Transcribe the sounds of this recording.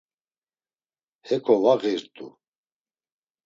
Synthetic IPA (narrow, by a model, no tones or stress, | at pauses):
hɛkʰɔvaɣiɾt̪ʼṵ